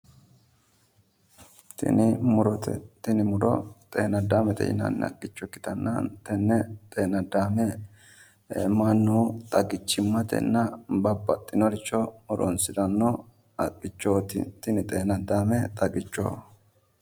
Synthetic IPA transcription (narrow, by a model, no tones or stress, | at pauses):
tnɾt̪ɪnɪmʊɾɔ̰t̪ʼeːnɐd̪aːmɛt̪ɛ̰jɪ̰nɐ̰nːɛɐ̰kʼːɪt͡ʃːɔkːɪ̥t̪ɐnːɐ̰nt̪ɛnːɛt̪ʼeːnɐd̪aːmɛ | ɛmanːut̪ʼɐɡɪt͡ʃːɪmːɐt̪ɛ̰nːɐbɐbːɐt̪ʼːɪnɔɾɪt͡ʃːɔmʊɾɔ̰nsɪd̪ɐnːɔ | ɐkʼːɪt͡ʃːoːt̪t̪ɪnɪt̪ʼeːnɐd̪aːmɛt̪ʼɐɡɪt͡ʃːo̰ː